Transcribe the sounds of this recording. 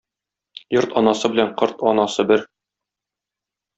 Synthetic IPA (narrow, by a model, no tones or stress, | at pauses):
joɾt̪ɒnɑsɤbɘ̆læɴqɤɾt̪ɒnɑsɤbɘɾ